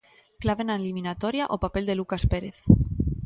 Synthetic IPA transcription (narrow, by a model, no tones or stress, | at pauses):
klaβenalimĩnat̪oɾjaʔopape̞ld̪e̞lukaspeɾeθ